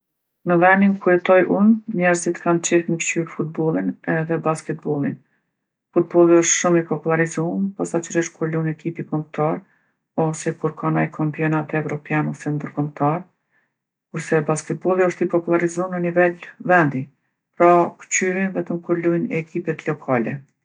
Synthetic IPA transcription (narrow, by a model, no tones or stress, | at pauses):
nəvɛnd̪inkuɛt̪ɔjʔunɲɛɾzit̪kamt͡ʃɛməkt͡ʃyɾfut̪̚bɔlˠinɛðɛbaskɛt̪̚bɔlˠin | fut̪̚bɔlˠiəʃt̪ʃumipɔpulˠaɾizumpasat͡ʃəɾiʃkʰuɾlunɛkipikɔmt̪aɾ | ɔsɛkuɾkʰanajkʰampiɔnat̪ɛvɾɔpjanɔsɛnd̪əɾkɔmt̪aɾ | kuɾsɛbaskɛt̪̚bɔlˠiɔʃt̪ipɔpulˠaɾizumnənivɛlvɛnd̪i | pɾakt͡ɕyɾinvɛt̪əmkuɾlujnɛkipɛt̪lɔkʰalɛ